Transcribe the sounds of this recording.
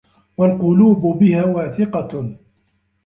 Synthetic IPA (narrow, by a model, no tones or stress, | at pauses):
walqʊluːbʊbɪhaːwaːθɪqɑ